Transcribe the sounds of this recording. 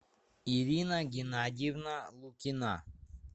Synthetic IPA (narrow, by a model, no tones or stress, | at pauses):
iɾʲinaɡʲɪnadʲivnalˠukʲɪna̰